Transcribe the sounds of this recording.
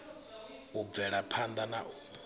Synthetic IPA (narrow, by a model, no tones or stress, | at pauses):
ub̪vɛɺapʰand̪anaʔu